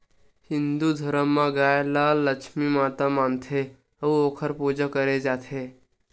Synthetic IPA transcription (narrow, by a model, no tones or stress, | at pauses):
hind̪ud̪ʱoɾəmːaɡajlaləkʃmimat̪amant̪ʰe | əokʰəɾpud͡ʑəkəɾed͡ʒat̪ʰe